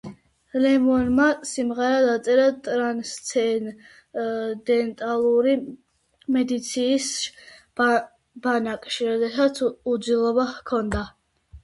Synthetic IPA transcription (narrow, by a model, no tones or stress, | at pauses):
lɛmɔnmasimʁɛɾad̪at̪sʼɛɾat̪ʼɾanst̪sʰɛ | d̪ɛnt̪ʼalˠuɾi | mɛd̪it̪sʰiːs | b̥anakʼʃiɾɔd̪ɛsat̪sʰud̪zilˠɔbakʰɔnd̪a